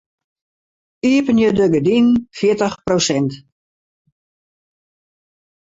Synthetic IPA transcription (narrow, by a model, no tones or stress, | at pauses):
iəpənjədøɡədinfjɪətəxprosɛnt